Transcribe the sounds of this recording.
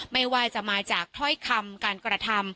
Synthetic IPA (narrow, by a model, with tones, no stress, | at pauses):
ma˥˩jwaː˧˩t͡ɕa˨˩maː˧t͡ɕaː˨˩k̚t̪ʰɔ˥˩jkʰa˧mkaː˧nkɾa˧t̪ʰa˧m